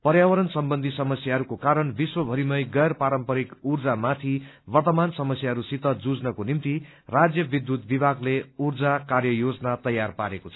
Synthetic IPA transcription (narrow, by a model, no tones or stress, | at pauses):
pʌɾjawʌɾʌnsʌmbʌnd̪ʱisʌmʌsjaɦʌɾukokaɾʌnbiswʌbʱʌɾimʌjɡʌjrpaɾʌmpʌɾikurd͡zamat̪ʰi | bʌrt̪ʌmansʌmʌsjaɦʌɾusit̪ʌd͡zud͡znʌkonimt̪i | rad͡zjʌbid̪ːut̪̚bibʱaɡleurd͡zakarjʌjod͡zʌnat̪ʌjːarpaɾekot͡sʰʌ̥